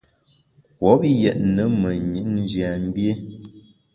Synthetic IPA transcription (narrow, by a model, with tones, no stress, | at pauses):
kwɔ˨˦p̚jɛ˨ʔ̚nə˦mə˨ɲi˨˦nn˦d͡ʒja˨m̩˦bje˦